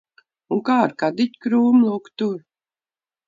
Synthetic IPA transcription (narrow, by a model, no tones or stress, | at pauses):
uŋkaːɾkad̪it̪ʲkɾuːmlˠukt̪uɾ